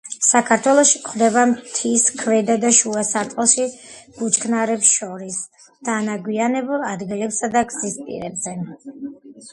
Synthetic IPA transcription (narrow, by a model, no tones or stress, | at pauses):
sakʰaɾt̪ʰwɛlˠɔʃikʰχd̪ɛbamt̪ʰiskʰvɛd̪ad̪aʃuasaɾt̪ʼqʼɔlˠʃib̥ut͡ʃʰkʰnaɾɛpsʃɔɾis | d̪̥anaɡwianɛbulˠad̪ɡilɛpsad̪aɡzispʼḭɾɛbzɛ